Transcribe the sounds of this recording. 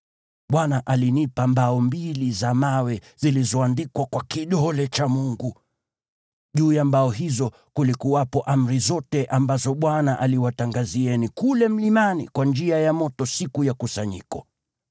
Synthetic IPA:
ɓwanaʔalinipambaɔmbilizamawɛ | zilizɔandikwakwakiɗɔlɛt͡ʃamuŋɡu | ʄuːjambaɔɦizɔ | kulikuwapɔʔam̩ɾizɔtɛʔambazɔɓwanaʔaliwataŋɡaziɛnikulɛm̩limanḭkwand͡ʒiajamɔtɔsikujakusaɲḭkɔ

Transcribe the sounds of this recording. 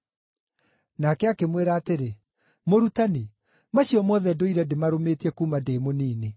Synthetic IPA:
nakɛakemweɾaːteɾe | moɾutani | maɕiɔmɔðɛdoiɾɛdemaɾometiɛkuːmadeːmoniːne

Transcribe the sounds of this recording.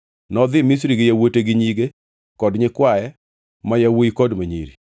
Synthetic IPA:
nɔd̪ɪmis̬ɾiɡɪjawoteɡɪɲiɡe | kɔdɲɪkwajɛ | majawoikɔdmaɲḭɾḭ

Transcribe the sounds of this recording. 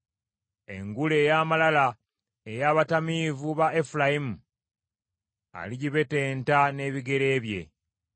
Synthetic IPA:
e̞̰ŋɡule̞ːjaːmalala | e̞jaːβatamiːvuβaefulajimu | a̰liɟiβe̞te̞ːntane̞ːβiɡe̞ɾe̞ːβje̞̰

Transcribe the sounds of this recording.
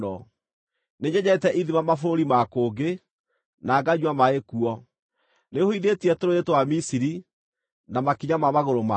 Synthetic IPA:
ɔ | neɲɛɲɛtɛʔiðimamafɾoɾimakoːɡe | naːɡaɲwamaekuɔ | nehoiðetiɛtoɾoetowamisiɾi | namakiɲamamaɣoɾoma

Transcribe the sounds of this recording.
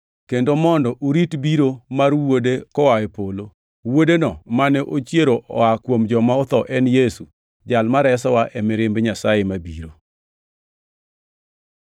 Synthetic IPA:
kendomɔndɔʔuɾitbiɾomarwodekɔwawepolo | wodenɔmanɛʔot͡ʃjeɾoʔɔakwomd͡ʒɔmaɔt̪ɔʔɛnjesu | d͡ʒalmaɾɛsɔwaʔɛmɪɾɪmbɲasajemabiɾo

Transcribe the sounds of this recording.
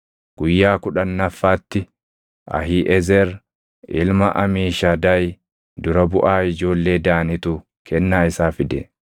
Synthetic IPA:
ɡ̥ʊjːaːkʊᶑɐnːɐfːaːt̪ːɪ | ʔɐ̰ɦiʔɛzɛɾ | ʔɪlmɐʔɐmiːʃaːd̪ɐj | d̪ʊɾɐbʊʔaːɪd͡ʒo̞ːlːe̞ːd̪aːnɪt̪ʊ | kʰɛnːaːɪsaːfɪd̪ɛ

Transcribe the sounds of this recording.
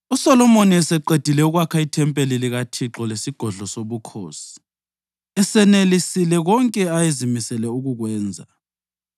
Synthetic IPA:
usɔlɔmoniɛsɛǃed̥ʱilɛuɣwakʰaitʰɛmpʼeliliɣatʰiǁɔlesiɡ̥ʱɔɮɔsoβukʰoːsi̥ | ɛsɛnelisilɛɣɔŋkʼɛajezimisɛlɛuɣuɣwɛːnd͡zʱa̰

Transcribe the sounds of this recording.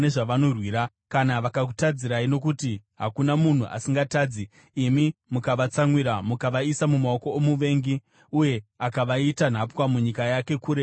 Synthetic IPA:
neʐaʋanorwiːɾa | kanaʋakak̬u̥tad͡ziɾaino̞kutiɦakunamun̤uʔa̰siŋɡataːd͡zi | imimukaʋat͡saŋwiɾamukaʋaisamumaoko̞omuʋe̞ːŋɡi | uje̞akaʋaitan̤apwamuɲikajake̞kuːɾe

